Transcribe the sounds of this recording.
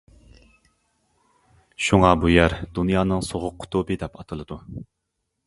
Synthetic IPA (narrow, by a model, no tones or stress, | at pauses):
ʃuŋɑbujæɾd̪̥unjɑːnɨŋsoʁʊqʰːʊ̥t̪ʰubɨd̪ɛpɑt̪ʰɨlˠɨd̪u